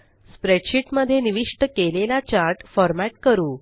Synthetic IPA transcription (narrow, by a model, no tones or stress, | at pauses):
spɾeʈɕiʈməd̪ʱːjeniʋiʂʈəkelelat͡ɕaɾʈfɔɾmæʈkəɾuː